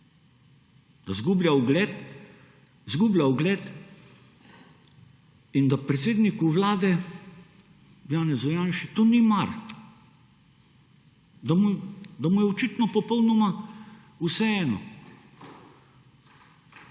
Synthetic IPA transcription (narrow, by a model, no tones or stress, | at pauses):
d̪̥azɡubljawʊɡlɛt̪ | zɡubljaʊɡlɛt̪ | ind̪apɾɛt̪seːd̪nikuʋlaːd̪ɛ | jaːnɛzɔjanʃit̪onimaɾ | d̪amud̪amujɛɔt͡ʃit̪nɔpɔpɔwnɔma | usɛɛːnɔ̰